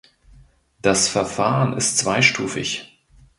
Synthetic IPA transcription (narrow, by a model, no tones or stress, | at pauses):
d̥asfɛɐfaːʁənɪ̰stt͡sv̥aɪʃtuːfɪ̰ç